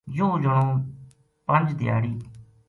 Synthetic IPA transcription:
jũːd͡ʒəɳõː | pənd͡ʒd̪ɪja̰ːɽiː

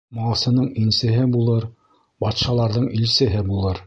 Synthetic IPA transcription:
mɑlˠsɤ̆nɤɴinsɘ̆ɦɘbulˠɤɾ | bɑt̪ʃɑlˠɑɾðɤɴilsɘ̆ɦɘbulˠɤɾ

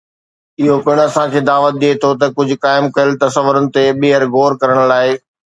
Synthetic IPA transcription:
ɪɦopɪɽ̃ɐsãkʰeːd̪aːʋət̪̚ɗ̪iet̪ʰot̪̬ɐkʊd͡ʑʱʊ̆kaːɪmkɐjəlɪt̪ɐsəʋʊɾənɪ̆t̪eɓiɦəɾɣoːɾkɐɾəɽ̃laːɪ

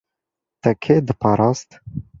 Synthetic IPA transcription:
t̪ɛkʰeːd̪ɨpʰɑːɾɑːst̪

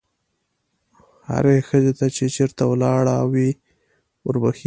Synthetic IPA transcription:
ha̰ɾexəzet̪at͡ʃet͡ʃeɾt̪awlɑɽawi | ʊɾbaxi

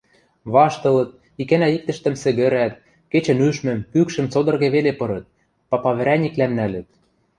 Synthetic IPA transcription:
βɑʃt̪ɤ̆lɤ̆t̪̚ | ikænæik̚t̪ɘ̆ʃt̪ɘ̆msɘ̆ɣɘ̆ɾæt̪̚ | ket͡ɕɘ̆nyʃmɘ̆mpykʃɘ̆mt͡sod̪ɤ̆rɣeβelepɤ̆ɾɤ̆t̪̚ | pɑpɑβɘ̆ɾænʲiklæmnælɘ̆t̪̚

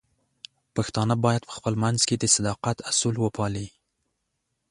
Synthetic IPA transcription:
paxt̪ɑnəbɑjad̪̚pə̥xpəlmanz̥ked̪əsad̪ɑqat̪asulwəpʰɑli

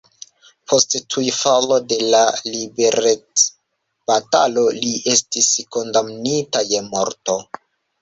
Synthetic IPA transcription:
pʰo̞sttʰujfalo̞de̞lalibe̞ɾet͡s | b̥atalo̞liʔe̞stisko̞ndamnitaje̞mo̞ɾto̞

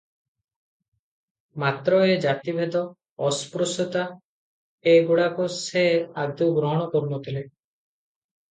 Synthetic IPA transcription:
mat̪ɾɔed͡ʒat̪ibʱed̪ɔ | ɔspɾusut̪a | eɡuɽakusead̪uɡɾɔɦɔɽ̃ɔkɔɾunɔt̪ʰile

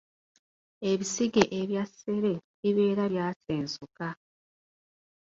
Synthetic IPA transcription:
e̞βisiɡe̞ʔeβjase̞ɾe̞βiβe̞ːɾaβjaːse̞ːnsuka

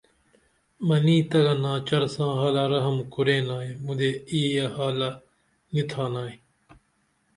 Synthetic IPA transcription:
mɐniːt̪ɐɣanãːt͡ʃɐɾsãːɦaːlaːɾɐɦəmkʊɾeːnaːemʊ̃d̪eːiːjahaːla | nit̪ʰaːnaːe

